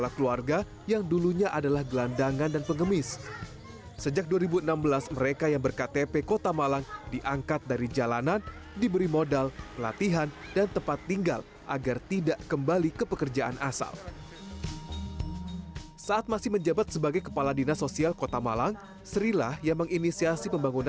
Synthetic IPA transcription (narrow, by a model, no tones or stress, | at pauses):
əpalakəluarɡa | jaŋduluɲaʔadalahɡəlandaŋandanpəŋəmɪs | səd͡ʒak̚duaɾibuənambəlasməɾekajaŋbərkat̪epekot̪amalaŋdiʔaŋkat̪̚daɾid͡ʒalanan | dibəɾimodalpəla̰t̪iɦandant̪əpat̪ːiŋɡa̰l | ʔaɡart̪idaʔkəmbalikəpəkərd͡ʒaʔanʔa̰sa̰l | saʔat̪̚masɪhməɲd͡ʒabat̪̚səbaɡajkəpaladinasosialkot̪amalaŋ | səɾila̰hjaŋməŋinisiasipəmbaŋuna